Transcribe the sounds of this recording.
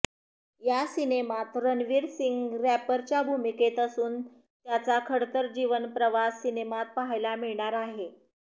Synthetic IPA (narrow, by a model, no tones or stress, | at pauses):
jasinemat̪ɾənʋiːɾsiŋɡɾæpəɾt͡ɕjabʱumiket̪əsuːn | t̪jat͡sakʰəɽt̪əɾd͡ʑiʋənpɾəʋasːinemat̪̚paɦajlamiɭɳaɾaɦe